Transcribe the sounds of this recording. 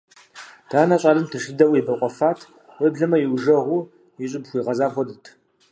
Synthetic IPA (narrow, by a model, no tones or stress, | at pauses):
d̥aːnɐɕʼɐlɨmtʰɨʂɨdɐwibɐqʷʼɔfaːtʰ | wəbɮɐmɐjiwʒɐʁʷu | ɪɕʼɪbxʷiːʁɐzaːxʷɔdɨtʰ